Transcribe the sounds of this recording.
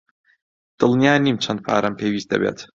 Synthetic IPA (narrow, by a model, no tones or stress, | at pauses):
d̪̥ɨlˠnjaːniːmt͡ʃʰɐnd̪̚pʰa̰ːɾʔɐmpʰeːwiːst̪̚ɐ̰bḛːt̪